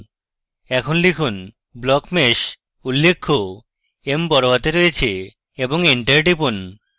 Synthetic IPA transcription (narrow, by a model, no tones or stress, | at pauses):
ɛkʰonlikʰun | blɔkmeʃ | ulːekʰːo | empɔɾobat̪eɾoet͡ɕʰe | eboŋiɳʈeɾɖipon